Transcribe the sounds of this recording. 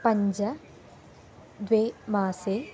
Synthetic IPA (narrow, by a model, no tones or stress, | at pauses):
pɐɲd͡ʒɐ | d̪ʋeːmaːseː